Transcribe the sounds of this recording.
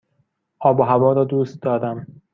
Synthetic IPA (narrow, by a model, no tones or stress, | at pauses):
ʔɒːboɦævɒːɾɒːd̪uːst̪̚d̪ɒːd̪æm